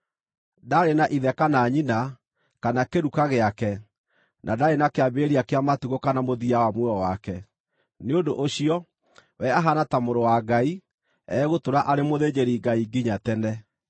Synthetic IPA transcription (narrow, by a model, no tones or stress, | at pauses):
daɾenaʔiðɛkanaːɲina | kanakeɾukaɣeakɛ | nʔadaɾenakeabeːɾiakeamatiɣokanamoðiawamwɛɔwakɛ | neondoʔoɕiɔ | wɛaɦanatamoɾowaɡai | ɛ̰ːɣotoɾaʔaɾemoðed͡ʑeɾiɡaiɡiɲatɛnɛ